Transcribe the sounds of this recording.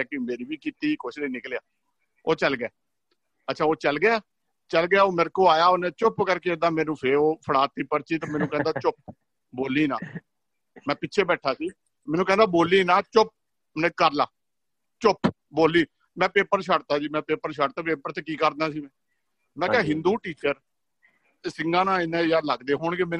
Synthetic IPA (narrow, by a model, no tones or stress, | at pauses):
ɛkimeːɾiːʋiːkiːt̪iːkʊt͡ʃleːnɪklejaː | oːt͡ʃəlɡjɛː | ətːʃʰaːoːt͡ʃəlɡɪaː | t͡ʃəlɡɪaːoːmɪɾkoːaːjaːonẽːt͡ʃʊpkəɾkeːd̪aːmɛ̃ːnũːpʰeɾoːpʰəɽaːt̪ːiːpəɾt͡ʃiːt̪ãːmɛːnũːkɛ̃ːnd̪aːt͡ʃʊp̚ | boːliːnã̰ː | mɛ̃ːpɪtːt͡ʃʰeːbɛːʈʰːaːsiː | mɛːnũːkɛ̃ːnd̪aːboːliːnãːt͡ʃʊp̚ | nẽːkəɾlaː | t͡ʃʊp | boːliː | mɛ̃ːpeːpəɾʃəɽt̪aːd͡ʒiːmɛ̃ːpeːpəɾʃəʈt̪aːpeːpəɾt̪eːkiːkəɾd̪aːsiːmɛ̃ː | mɛ̃ːkɛːɦɪ̃nd̪uːʈiːt͡ʃəɾ | sɪŋɡãːnãːɪnẽːjaːɾləɡd̪eːɦoːɳkemɛː